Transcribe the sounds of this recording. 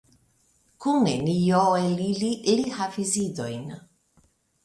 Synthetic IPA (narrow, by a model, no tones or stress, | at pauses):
kunenijɔelililihafizid̪ojn